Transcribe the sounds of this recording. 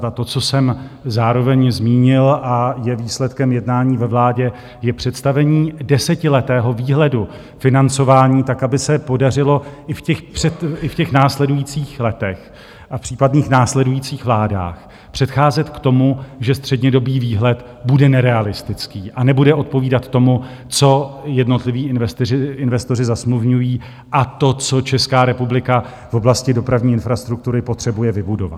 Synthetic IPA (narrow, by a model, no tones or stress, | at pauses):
at̪o̞t͡so̞sɛmzaːɾo̞vɛɲzmiːɲɪlʔajɛviːslɛt̪kɛmjɛdnaːɲiːvɛvlaːɟɛ | jɛpr̝̥ɛt̪st̪avɛɲiːdɛsɛcɪlɛt̪ɛːɦo̞viːɦlɛdu | fɪnant͡so̞vaːɲiːt̪akabɪsɛpo̞darɪlo̞ʔɪfcɛxpr̥ɛt̪ɪfcɛxnaːslɛdujiːt͡siːxlɛt̪ɛx | ʔafpr̥iːpadniːxnaːslɛdujiːt͡siːxvlaːda̰ːx | pr̝̥ɛt̪xaːzɛt̪kt̪o̞muʒɛst̪r̥ɛdɲɛdo̞biːviːɦlɛt̪ | budɛnɛɾɛalɪst̪ɪt͡skiːʔanɛbudɛʔo̞t̪̚po̞viːdat̪t̪ːo̞mu | t͡so̞jɛdno̞t̪lɪviːɪnvɛst̪ɪɪɪnvɛst̪o̞r̝ɪzasmluvɲujiː | ʔat̪o̞t͡so̞t͡ʃɛskaːɾɛpublɪka | v̥o̞blascɪdo̞pɾavɲiːɪnfɾast̪ɾuk̚t̪uɾɪpo̞t̪r̝̥ɛbujɛvɪbudo̞̰va̰t̪